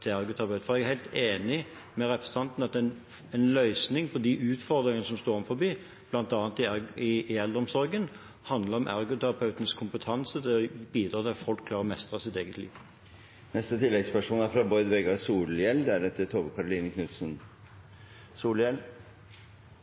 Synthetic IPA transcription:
t̪ʰɪlæɾɡʊt̪ʰɛæʁɑpɑʉt̪fɔɾɛɡæɾhæɪlt̪eːnɪ | mɛɾɛpɾʁɛsə̥t̪ʰɑnt̪n̩ɑt̪̚d̪ɛɛn | ɛnlœʏsnɪŋpʰɔd̪iʔʉːt̪fɔɾd̪ɾɪŋənəsɔmst̪oːɾɔməfɔbiː | b̥lɑnt̪ɑːnt̪ɪɪɪɛld̪əɾɔmsɔɾɡən | hɑnd̪ləɾʁɔmʔæ̰ɾɡʊt̪ʰæɾɑpʰɑʉt̪ənəskʰʊmpət̪ʰɑnsəd̪ɛbiːd̪ɾɑːd̪ɛfɔlkʰːlɑːʁəmɛst̪ʁɑsɪt̪eːɡət̪ʰlḭːʋ | nɛst̪ət̪ʰɪlːɛɡspæʂuːnæɾfɾɑbɔʏd̪ʋɛɡɑsuːljɛlːd̪ɛæɾɛt̪ːət̪ʰoːbəkʰɑɾʊliːnəkʰnʉt̪sən | suːljɛl

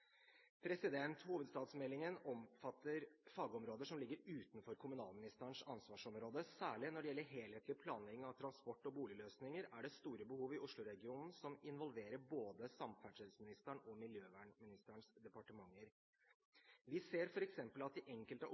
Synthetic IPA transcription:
pʰɾɛsɪd̪ɛnt̪huːʋəd̪st̪ɑːt̪smɛlːɪŋənɔmfɑt̪ʰːəɾfɑːɡəɔmɾoːd̪əʂɔmlɪɡːəɾʉːt̪nfɔɾkʰʊmʉnɑ̰ːlmɪnɪst̪æɳʂɑnsʋɑːʂɔmɾoːd̪əsæːɭɪnɔɖɛjɛlːəɾɦeːlheːt̪ʰlɪpʰlɑːnɛŋɑʋt̪ʰɾɑnspɔʈːɔbuːlɪløːsnɪŋəɾæɖɛst̪uːɾəbəhuːʋɪʔʊʂɭʊɾɛɡɪuːnn̩sɔmɪnʋɔlʋeːɾəɾboːd̪əsɑmfæʂəlsmɪnɪst̪æɳɔmɪljøːʋæːɳmɪnɪst̪æɳsd̪ɛpɑʈəmɑŋːəɾ | ʋɪseːɾfɔɾɛksɛmpəlɑt̪̚ɪʔɛŋkəlt̪ə

